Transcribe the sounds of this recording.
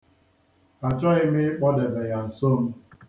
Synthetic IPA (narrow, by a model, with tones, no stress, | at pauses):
a˨t͡ʃɔ˦ɪ˦mɪ˦k͡pɔ˦de˨be˨ja˨n̩˨so˦˨m̩˦